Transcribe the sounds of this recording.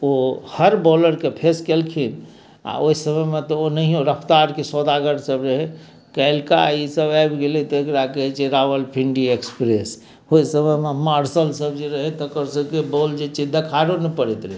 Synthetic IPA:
ohəɾboləɾkepʰeskelkʰin | a̰oisəməmet̪ɔonəɦiɦoɾəpʰt̪aɾkesɔd̪aɡəɽsəbɾəɦɛ | kəɪlkaisəbajbɡelit̪ɔekɾakəɦɛt͡ʃeɾabəlpʰiɳɖiekspɾes | oisəməmemaɾsəlsəbd͡ʒeɾəɦɛt̪ɔkəɾsəkebold͡ʒet͡ʃid̪ʱekʰaɾonɛpəɾɛt̪ɾəɦi

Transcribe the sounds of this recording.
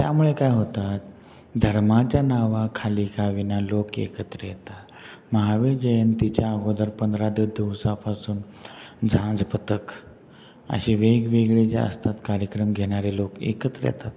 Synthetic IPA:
t̪ja̰muɭekajɦot̪at̪̚ | d̪ʱəɾmat͡ɕjanaʋakʰaliːɡʰaʋinalokḛkət̪ɾəjɛt̪a | məɦaʋed͡ʑəjənt̪it͡ɕjaːɡʱod̪əɾpənd̪ɾad̪id̪iʋsapasuːn | d͡zʱãd͡zpət̪ək | ə̰ɕiʋeɡʋeɡɭet͡ɕja̰ə̰st̪at̪kaɾjəkɾəmɡʱeɽ̃aɾelokḛkət̪ɾə̰jɛ̰t̪at̪

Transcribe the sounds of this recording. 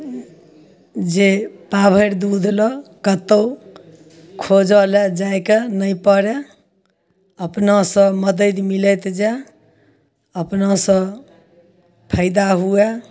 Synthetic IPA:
d͡ʒepabʱəɾd̪ud̪ʱlɔkət̪əw | kʰod͡ʒɔled͡ʒaekenəjpəɾe | əpnasə̃məd̪əd̪milət̪d͡ʒe | əpnasə̃ | pʰəɪd̪aɦue

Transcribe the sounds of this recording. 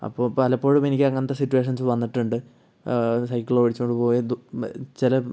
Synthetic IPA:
ɐ̰pːoːpɐlɐpːo̞ːɻumenikʲːɐŋːɐnt̪ːesitːuweːʂ̬ɐnsʋɐnːiʈːuɳɖɨ | sɐjkːiloːʋiɻit͡ɕːukoɳɖɨpo̞ːjid̪t͡ɕilɐ

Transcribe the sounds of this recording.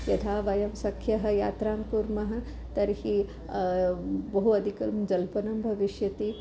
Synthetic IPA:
jɐt̪ʰaːʋɐjɐmsɐkʰːjɐɦɐ̆ja̰ːt̪ɾaːmkuɾmɐɦɐ̆ | t̪ɐɾhi | bɐɦuɐd̪ʱikɐmd͡ʒɐlpɐnɐmbʱɐʋiʃjɐt̪i

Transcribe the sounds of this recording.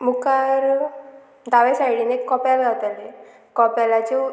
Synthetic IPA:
mukaɾ | d̪aʋesajɽinekːɔpjalɡʱat̪ale | kɔpjalat͡ɕe

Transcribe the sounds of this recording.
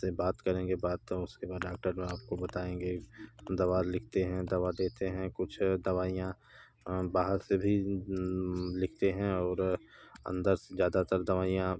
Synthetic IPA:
sebaːt̪kɐɾẽɡebaːd̪ʊskebaːɖaːk̚ʈəɾmẽaːp̚kobɐt̪aːẽːŋɡed̪ɐʋalɪkʰt̪eɦɛ̃d̪ɐʋad̪eːt̪eɦɛ̃kʊt͡ʃʰd̪ɐʋaːijã | baːɦəɾsebʱi | lɪkʰt̪eɦɛ̃ɔːɾ | ɐ̰̃nd̪əɾsezjaːd̪at̪əɾd̪ɐʋaːijã

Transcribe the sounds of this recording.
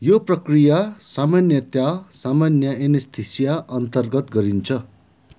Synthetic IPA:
joprʌkrijasamanjʌt̪jasamanjʌenest̪ʰisjaʔʌnt̪ʌrɡʌt̪ɡʌɾint͡sʰʌ

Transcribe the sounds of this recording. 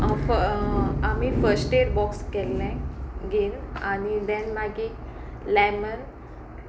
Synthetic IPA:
f | amiːfəɾsʈeʈbɔkskɛlːɛ̃ɡelanid̪ɛ̃nmaɡi | lɛmən

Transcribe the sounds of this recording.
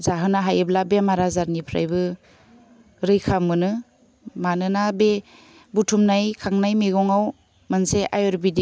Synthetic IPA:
zaɦɯnaɦajɯblabemaɾazaɾnipʰɾa̰jbɯ | ɾɯjkʰamɯnɯ | manɯnabe | butʰumnajkʰaŋnajmiɡɔŋaw | manseʔajɔɾbidi

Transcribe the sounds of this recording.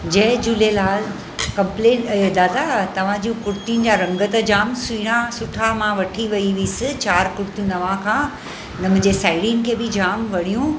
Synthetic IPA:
d͡ʑɐ̃ɦɪ̃d͡ʑuːlelaːl | kɐ̃mpleːed̪aːd̪at̪ɐʋ̤ãd͡ʑũkʊɾt̪iʊnɪ̆d͡ʑaːɾɐ̃ŋɡət̪əd͡ʑaːmsiːɽ̃ãsʊʈʰamãʋɐʈʰiʋɐiʋiːsɪt͡ɕaːɾkʊɽt̪jũnɐʋãkʰãː | nɐmʊ̃ɲd͡ʑesaːɪɽinɪ̆kʰeːbɪd͡ʑaːmʋɐɽ̤ijũ

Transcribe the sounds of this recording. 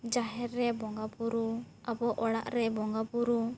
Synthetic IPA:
d͡ʒaɦɛɾɛbɔŋɡapuɾu | abɔʔɔɽa̰ʔɾɛbɔŋɡapuɾu

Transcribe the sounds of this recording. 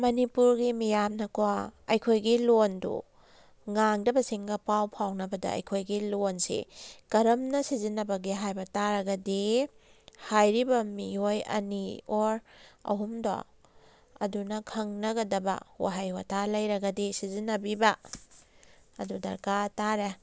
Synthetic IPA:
mɐnipuɾɡimijamnɐkoaɐjkʰojɡilondṵ | ŋaŋdɐbɐsiŋɡɐpawpʰawnɐbɐdɐ̰ɐ̰jkʰojɡilonsḭkɐɾɐmnɐsizinːɐbɐɡiɦajbɐtaɾɐɡɐdi | hajɾibɐmiojɐ̰nioɾɐ̰ɦumdɔ̰ | ɐ̰dunɐkʰɐŋnɐɡɐdɐbɐ̰wa̰ɦajwatʰalɐjɾɐɡɐdisizinːɐbibɐ | ɐdudɐ̰ɾkataɾe

